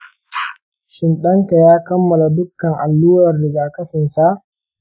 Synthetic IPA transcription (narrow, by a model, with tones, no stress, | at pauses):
ʃɪ˨nɗɐ˦ŋka˨jaː˦kɐ˦mːɐ˨la˨dʊ˦kːɐ˨ŋʔa˨lːuː˦wɐ˨rɽɪ˨ɡaː˨kɐ˦ɸɪ˨nsa˦˨ʔ